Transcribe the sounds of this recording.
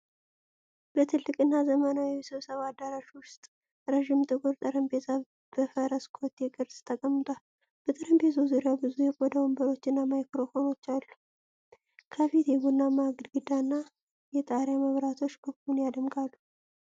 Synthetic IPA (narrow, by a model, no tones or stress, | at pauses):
b̥ət̪ʰɨlːɨkʼɨnːazəmənawiisɨβsəβad̪ːaɾaʃwʊst̪ʼ | ɾəʒɪmt̪ʼɨkʼuɾt̪ʼɨɾɨmbet̪ʰa | b̥əfəɾəskʰo̞t̪ʰːekʼɨɾst̪ʰəkʼəmːɨt̪ʼwal | b̥ət̪ʼɨɾɨmbe̞zuzuɾjabɨzujɛkʼɔd̪əwumbəɾo̞t͡ʃːɨnːamajkɾo̞fo̞no̞t͡ʃːalːu | kʰəfit̪jɛɡunːamaɡɨd̪ɡɨd̪anːa | jɛt̪ʼaɾjaməβɾat̪ʰo̞t͡ʃːbəɡunjad̪əmkʼalːu